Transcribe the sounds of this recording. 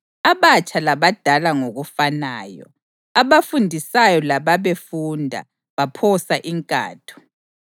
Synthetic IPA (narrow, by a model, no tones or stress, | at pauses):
aβat͡ʃʼʰalaβad̥ʱalaŋoɣufanaːjɔ̰ | aβafundʱisajɔlaβaβefundʱa̰ | βapʰɔsaʔiŋkʼa̰ːtʰu̥